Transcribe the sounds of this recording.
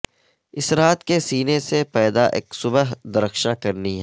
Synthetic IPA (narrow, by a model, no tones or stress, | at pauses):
ɪsɾaːt̪kesiːnesepɛːd̪aʔḛːksʊbəɦd̪ɐɾəxʃãkɐɾniɦɛ